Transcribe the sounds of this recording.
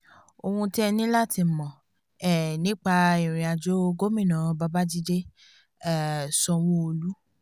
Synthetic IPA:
o˧hũ˧ti˦ɛ˧nĩ˦la˦˨ti˧mɔ̃˨ | ɛ˦˨nĩ˦k͡pa˧i˨ɾ̃ĩ˨a˨d͡ʒo˦ɡo˦mĩ˦˨nã˨˧ba˧ba˦d͡ʒi˦d͡ʒe˦ | ɛ˦˨sɔ˧w̃ɔ̃˦o˧lu˦

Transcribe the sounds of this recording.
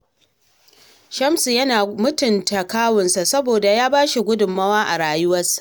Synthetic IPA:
ʃɐ˦msjɐ˦naː˨mʊ˦tʊ˨nta˨kaː˦wʊ˨nsa˨sɐ˦boː˨da˨jaː˦baː˦ʃi˨ɡʷʊ˦dʊ˨mːɐ˦waː˦ʔa˨ɽaː˨jʊ˦wɐ˦sḁ˨

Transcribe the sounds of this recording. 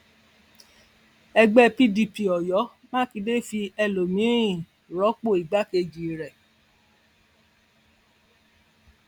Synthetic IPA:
ɛ˧ɡ͡bɛ˦pi˦di˧pi˨ɔ˨jɔ˨˦ | mã˦ki˧de˦fi˧ɛ˧lo˨mĩ˨˦ĩ˦˨ | ɾɔ˨˦k͡po˦˨i˨ɡ͡ba˨˦ke˧d͡ʒi˨ɾɛ˨

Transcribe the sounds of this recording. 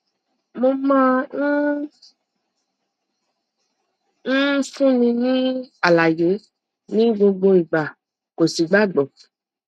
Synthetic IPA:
mo˧mã˦ | n̩˦fũ˦mĩ˧nĩ˦a˨la˨je˨˦ | nĩ˦ɡ͡bo˧ɡ͡bo˧i˨ɡ͡ba˨ | ko˨si˨ɡ͡ba˦ɡ͡bɔ˨

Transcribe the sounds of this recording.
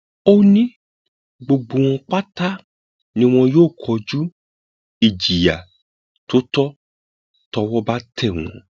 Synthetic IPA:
o˦nĩ˦ | ɡ͡bo˧ɡ͡bo˨w̃ɔ̃˧k͡pa˦ta˦ | nĩ˧w̃ɔ̃˧joː˦˨kʰɔ˧d͡ʒu˦ | i˨d͡ʒi˨ja˨ | to˨˦tɔ˦ | tɔ˧wɔ˦ba˦tʰɛ˦˨w̃ɔ̰̃˨

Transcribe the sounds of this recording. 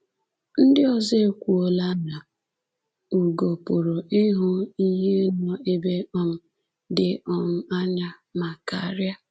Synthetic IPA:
n̩˦dɪ˦ɔ˦ze˦kʷu˨o˨la˦na˨ | u˨ɡo˨pʊ˨ɾo˨ʔɪ˦ɦʊ˦i˦ɦe˦nɔ˦e˦be˦ɔ˦m̩˦ | dɪ˦ɔ˨m̩˦a˦ɲa˦ | ma˨ka̰˨˦ɾja˦

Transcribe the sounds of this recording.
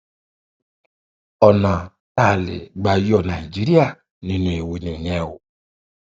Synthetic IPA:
ɔ˨na˨ | ta˦˨lɪ̰˨ɡ͡ba˨jɔ˦˨na˨i˨d͡ʒi˦ɾi˦a˨ | nĩ˦nũ˨e˨we˨ni˨ɲɛ˦˨wʊ̰˨

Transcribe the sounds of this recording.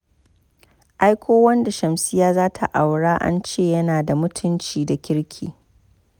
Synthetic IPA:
ʔa˦jkʷʰoː˦wɐ˦nda˨ʃɐ˨msɪ˦jaː˦zaː˦tʰa˨ʔa˨wɽaː˦ʔa̰˦nt͡ʃeː˦˨jɐ˦naː˨da˨mʊ˦tʰʊ˦nt͡ʃiː˨da˨kʲɪ˦ɽkʲʰḭː˨

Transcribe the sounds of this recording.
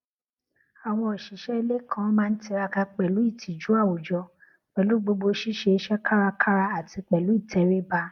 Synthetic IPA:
a˨w̃ɔ̃˧ɔ˨ʃi˨˦ʃɛ˦˧le˦kʰã˦mãː˦˧n̩˦ti˧ɾa˧ka˧k͡pɛ˨lu˨˦i˦˨tʰi˨d͡ʒu˨˦a˦˨wo˨d͡ʒɔ˧ | k͡pɛ˨lu˨˦ɡ͡bo˧ɡ͡bo˧ʃi˦ʃe˧˦ʃɛ˦ka˦ɾa˧kʰa˦ɾa˧a˨ti˧k͡pɛ˨lu˨˦i˦˨tʰɛ˨ɾe˦ba˧

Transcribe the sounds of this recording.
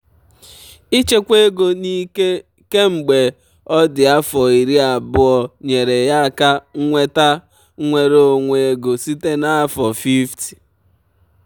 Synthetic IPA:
i˦t͡ʃe˦kʷe˦ɡo˨ni˦ | ke˦ŋ͡m̩˨ɡ͡be˨ | ɔ˦dɪ˨a˦fɔ˨i˨ɾi˦a˨bʊ˦ɔ˨ɲe˨ɾe˨ja˦a˨ka˦ŋ̩˦ŋʷe˦ta˦ | ŋʷe˨ɾo˨ŋʷe˨e˦ɡo˨si˦te˦na˦fɔ˨fi˦fti̥˨

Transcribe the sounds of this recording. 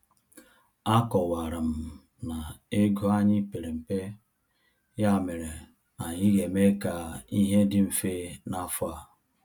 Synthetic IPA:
a˦kɔ˨wa˨ɾa˨m̩˨ | na˨e˦ɡo˦a˦ɲɪ˦pe˨ɾe˨m̩˨pe˦ | ja˦˨me˨ɾe˨ | a˨ɲɪ˦ɣe˨me˦ka˨i˦ɦe˦dɪ˦m̩˨fe˦na˦fa˨

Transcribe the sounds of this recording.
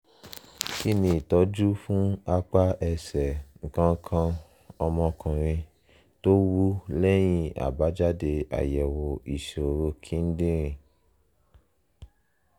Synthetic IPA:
ki˦nĩ˧˦i˨tɔ˨˦d͡ʒu˦fũ˦a˧k͡pa˦ʔɛ˧sɛ˨ŋ̩˨kã˧ŋ˧kʰã˧ | ɔ˧mɔ̃˧kɔ̃˨ɾ̃ĩ˧ | to˦wu˦lɛ˦j̃ĩ˦a̰˨ba˨˦d͡ʒa˦de˧a̰˨jɛ˨wo˨i˨ʃe˨o˨ɾo˧kʰĩ˨˦n̩˦dĩ˦ɾ̃ĩ˧

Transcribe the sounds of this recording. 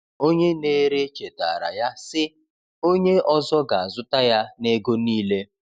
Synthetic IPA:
o˦ɲe˦ne˦ɾe˦t͡ʃe˨ta̰˨ɾa̰˨ja˦sɪ˦ | o˦ɲe˦ɔ˦zɔ˦ɡa˨a˨zʊ˦ta˦ja˦ne˦ɡo˦niː˦le˦

